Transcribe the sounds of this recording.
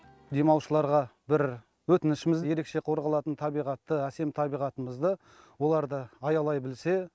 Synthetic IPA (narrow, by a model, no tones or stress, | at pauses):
d̪e̞mɑwʃəlˠɑɾʁɑbɪɾ | wɵt̪ɪnɪʃɪmɪzje̞ɾe̞kʃe̞qʰo̞ɾʁɑlˠɑt̪ənt̪ʰɑbijʁɑt̪ːəæse̞mt̪ʰɑbijʁɑt̪əməzd̪ə | wo̞lˠɑɾd̪əɑjɑlˠɑjbɪlse̞